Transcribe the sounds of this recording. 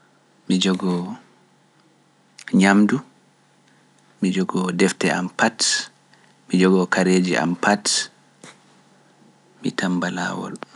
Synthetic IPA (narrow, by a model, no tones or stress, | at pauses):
mid͡ʒɔɡɔ | ɲamdu | mid͡ʒɔɡɔdɛftɛampat | mid͡ʒɔɡɔkaɾeːd͡ʒiʔa̰mpat | mḭtambala̰ːwɔ̰l